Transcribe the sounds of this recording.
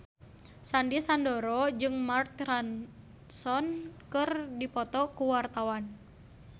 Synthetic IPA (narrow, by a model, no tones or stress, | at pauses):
sandisandoɾɔd͡ʒɨŋmart̪ran | sɔnkɨrdipɔt̪ɔkuwart̪awan